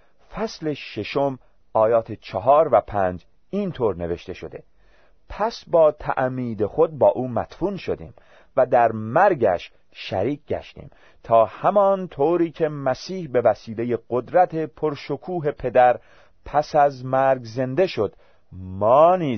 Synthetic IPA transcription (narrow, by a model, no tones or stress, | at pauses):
fæsle̞ʃe̞ʃo̞m | ʔɒːjɒːt̪ʰet͡ʃʰɒɦɒːɾvæpʰænd͡ʒ | iːnt̪ʰoːɾne̞ve̞ʃt̪e̞ʃo̞d̪e̞̰ | pʰæsbɒːt̪ʰæ̰ʔmiːd̪e̞xod̪̚bɒːʔuːmæ̰t̪fuːnʃo̞d̪ḭːm | væd̪æɾmæɾɡæ̰ʃ | ʃæ̰ɾiːk̚ʰʲɟæ̰ʃt̪ḭːm | t̪ʰɒːhæmɒːnt̪ʰoːɾiːcʰe̞mæsiːhbe̞væsiːle̞jeɢo̞d̪ɾæt̪ʰe̞pʰo̞ɾʃokʰuːɦe̞pʰe̞d̪æɾ | pʰæsæzmæɾɡze̞nd̪e̞ʃo̞d̪̥ | mɒːniː